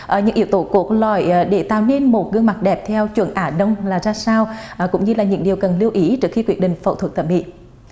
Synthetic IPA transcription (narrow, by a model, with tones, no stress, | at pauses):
ʔə˨˩ɲɨ̰˧˥ŋʔi˧˩əwt̪o˧˩˦ku˧˩klɔ˧˨˩jɗe˧˩t̪a̰ː˧˨wne˧nmo˨˩t̚ɣɨ˧əŋma˨˩t̚ɗɛ˨˩p̚t̪ʰɛ˧wt͡ɕwə̰˧˩ənʔaː˧˩ɗə˧wŋ͡mlaː˨˩zaː˧saː˧wʔkʊ̰˧˥ŋ͡mɲɨ˧laː˨˩ɲɨ̰˧˥ŋɗi˨˩əwkə˨˩nli˧əwʔi˨˦t͡ɕɨ˨˩kxi˧kwi˧˩ət̚ɗḭ˨ŋ̟fə̰˧˩wt̪ʰwə˨˩t̪ə˧˩t̚ɓḭ˧˨